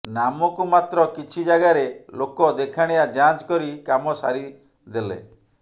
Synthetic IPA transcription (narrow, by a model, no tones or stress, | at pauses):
namɔkumat̪ɾɔkit͡ʃʰid͡ʒaɡaɾelokɔd̪ekʰaɽ̃ejad͡ʒãt͡ʃkɔɾikamɔsa̰ɾi | d̪elḛ